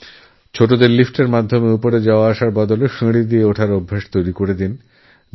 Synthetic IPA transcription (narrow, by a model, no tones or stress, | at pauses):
t͡ɕʰoʈod̪eɾlifʈeɾmad̪ʱːomeupoɾed͡ʑaoaaʃaɾbɔd̪oleʃeɽid̪ieoʈʰaɾobʱːeʃt̪ojɾikoɾed̪in